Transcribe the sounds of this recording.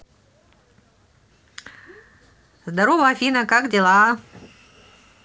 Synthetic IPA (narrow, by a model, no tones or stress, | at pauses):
zd̪ɐɾovɐɐfʲinɐkakdʲɪlˠa